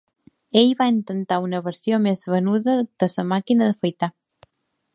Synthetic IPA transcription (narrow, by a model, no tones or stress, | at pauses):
eʎβaent̪ənt̪aunəβəɾsjomezβənuðəd̪̥əsəmakinəðəfojt̪a